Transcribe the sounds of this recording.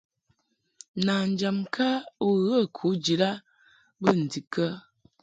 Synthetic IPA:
na˨n̩˨˦d͡ʒa˨mkʰa˦u˦ɣə˦˨kʰu˨˦d͡ʒi˨ɾa˦ | bə˦˨n̩˨di˨kə˦

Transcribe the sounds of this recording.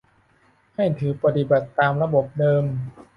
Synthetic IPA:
ha˥˩jt̪ʰɯː˨˩˦pa˧t̪i˨˩ba˨˩t̪ːaː˧mɾa˧bo˨˩p̚dɤː˧m

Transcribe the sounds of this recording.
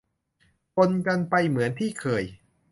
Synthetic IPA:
pʰo˧nka˧npa˧jmɯ˩˦ənt̪ʰiː˥˩kʰɤː˧˩j

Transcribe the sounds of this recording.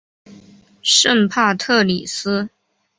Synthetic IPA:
ʂə˥˧ŋpʰa˥˧t̪ʰɤ˥˩li˨˩sɹ̩˥

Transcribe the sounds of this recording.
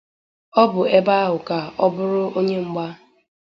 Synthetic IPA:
ɔ˦bʊ˨e˦ba˦a˦ɦʊ˨ka˨ɔ˦bʊ˦ɾʊ˦ʔo˦ɲe˦ŋ͡m̩˦ɡ͡ba˦

